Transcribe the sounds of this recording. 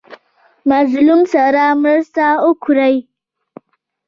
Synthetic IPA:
mazlumsaɾamɾast̪aokʰʊɾaj

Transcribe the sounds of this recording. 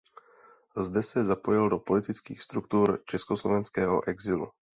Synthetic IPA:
zdɛsɛzapo̞jɪldo̞po̞lɪt̪ɪt͡skḭːxst̪ɾukt̪uːɾt͡ʃɛskoslovɛnskɛːɦo̰ʔɛɡzɪlṵ

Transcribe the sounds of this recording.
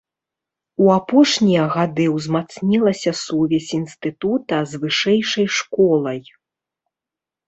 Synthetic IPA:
uapɔʂnʲijɐɣad̪ɨwzmat̪snʲilˠɐsʲɐsuvʲɛsʲinst̪ɨt̪ut̪ɐzvɨʂɛjʂɐjʂkɔlˠɐj

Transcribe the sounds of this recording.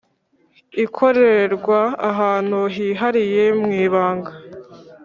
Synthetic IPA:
ikʰo̞ɾe̞ɾeɾɡwaːɦaːn̥huɦiɦaɾije̞mŋiːβaːŋɡa

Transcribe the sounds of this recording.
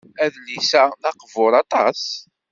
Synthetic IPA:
æðlisænɑqvʊɾˤɑt̪ˤɑs

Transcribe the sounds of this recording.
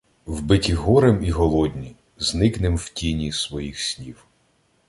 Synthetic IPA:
wbɪtʲiɦɔɾemiɦɔlˠɔdʲnʲi | znɪknɪmwtʲinʲisʋɔjixsʲnʲiw

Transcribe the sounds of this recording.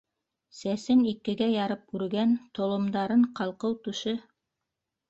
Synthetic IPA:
sæsɘnikɘ̆ɡæjɑɾɤp̚ʉɾɡænt̪ŏlˠŏmd̪ɑɾɤɴqɑlˠqɤwt̪ʉʃɘ

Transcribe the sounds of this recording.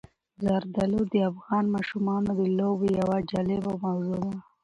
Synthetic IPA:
zaɾd̪alod̪əafɣɑnmɑʃumɑnod̪əlobejawad͡ʒɑlebawmawzunaa

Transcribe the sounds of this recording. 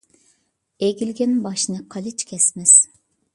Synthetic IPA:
eɡʲilɡʲembɑʃnɯqʰɑlit͡ʃkʰʲɛsmɪz̥

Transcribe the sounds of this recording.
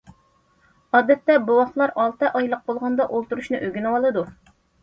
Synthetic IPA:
ɑːd̪ɛt̪ːɛbuwɑχlˠɑɾɑlˠt̪ɨʔɑjlˠəq̚bolˠʁɑnd̪ɑʔolˠt̪uɾuʃnɨʔøɡʲynɨwɑlˠɨd̪u

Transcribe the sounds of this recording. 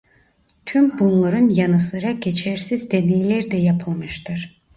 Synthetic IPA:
t̪ʰymbunlˠaɾɯnjanɯsɯɾaɟe̞t͡ʃʰɛɾsizd̪e̞nejlʲæɾd̪ɛjapʰɯlˠmɯʃt̪ʰɯɾ̥

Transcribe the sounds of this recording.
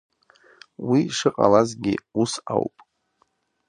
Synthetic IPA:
wiʂɨqʼalazɡʲɪusawpʼ

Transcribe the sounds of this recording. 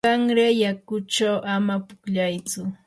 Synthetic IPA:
aŋɾejakʊt͡ʃawʔamapʊkʎajt͡sʊ

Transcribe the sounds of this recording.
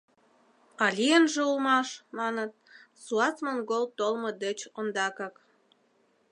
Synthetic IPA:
ɑlʲijənʒĕulmɑʃmɑnət̪̚ | suɑt͡smonɡolt̪olmɤd̪et͡ɕond̪ɑkɑk

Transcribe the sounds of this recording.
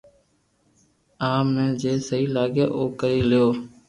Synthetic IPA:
aːmnẽːd͡ʒeːsəɦiːlaːɠja̰ːʔoːkəɾiːlɪjoː

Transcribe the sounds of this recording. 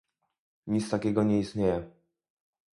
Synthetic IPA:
ɲit̪st̪akʲɛɡɔɲɛist̪ɲejɛ

